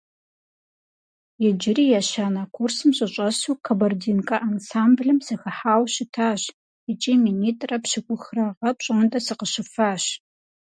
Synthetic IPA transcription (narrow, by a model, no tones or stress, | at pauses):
jɛd͡ʒɪriːjaːʃaːnakʷʰursɨmɕʼɐɕʷʼɐsuːkʰɐbɐrdiːnkʼɐʔansaːmbɮɨmsɨxɐħaːwɕɪtʰaːɕ | ɛt͡ʃʼiːminiːtʼrɐpɕɨkʷʼʊxrɐʁɐpɕʼɨndʼɐsɨqəɕɪfaːɕ